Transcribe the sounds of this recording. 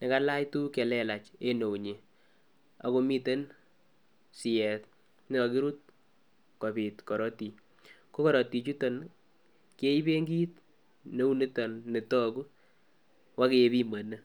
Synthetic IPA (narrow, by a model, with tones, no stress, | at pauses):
nɛ˨ka˦la˦jtu˦ke˨lɛ˨la˨t͡ʃe˦no˨wɲe˨ | a̰˨ko˧mi˦te˦n | sɪ˨jɛ˨t̚ | nɪ˦ɔ˨ki˦ɾu˦t̚ | kɔ˨bi˨tkɔ˨ɾɔ˦ti˨ | ko˦kɔ˦ɾɔ˨ti˨t͡ʃu˦tɔ˨n | ke˦i˦be˦ŋɡi˦t | ne˦u˦ne˦tɔ˨nːe˨tɔ˦ku˦ | wa˦ke˨˧bi˦ma˨nə˦